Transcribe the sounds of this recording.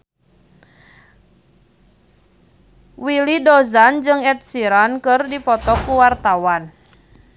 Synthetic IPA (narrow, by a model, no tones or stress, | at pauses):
wilidɔzand͡ʒɨŋɛt̪̚siɾankɨrdipɔt̪ɔkuwart̪awan